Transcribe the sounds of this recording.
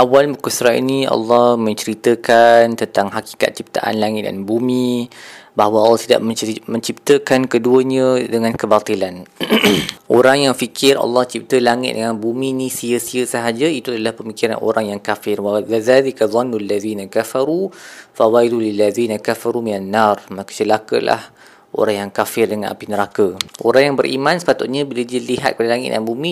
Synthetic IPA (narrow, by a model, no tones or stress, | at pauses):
ʔawalmukusɾaʔḭniɑ̰lːɔhmə̃ɲt͡ʃəɾit̪əkant̪ənt̪aŋɦaki̥ka̰t̪̚t͡ʃip̚t̪a̰ʔa̰nlaŋɪt̪̚da̰nbumi | baɦwəalːɑht̪ida̰ʔməmə̃ɲt͡ʃip̚t̪əkankəduəɲə̃dəŋãnkəbat̪ilan | ʔoɾaŋjaŋfikʰɪrʔɑ̰lːɑht͡ʃip̚t̪əlaŋɪ̰t̪̚dəŋãnbumĩnĩsiəsiəsəɦad͡ʒait̪uadalahpəmikiɾa̰nʔo̰ɾaŋjaŋkafɪrwaðaːlikaðˤɑnːlːaðiːnakafaɾufawailulilːaðiːnakafaɾuminanːarmakə̥t͡ʃəlaka̰la̰h | ʔo̰ɾaŋjaŋkafɪrdəŋãnʔa̰pinəɾakəʔo̰ɾaŋjaŋbəɾʔḭmãnsə̥pat̪ʊt̪̚ɲabilədiəliɦa̰t̪̚kəpadəlaŋɪ̰t̪̚d̰anbumĩ